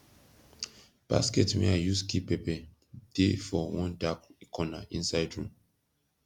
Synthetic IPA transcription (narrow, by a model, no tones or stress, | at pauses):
b̥a̰skɛtmɛ̰ajuskipɛpɛ | d̥efɔwɔ̃ndakkʰɔna̰ʔĩnsaɪdɹũm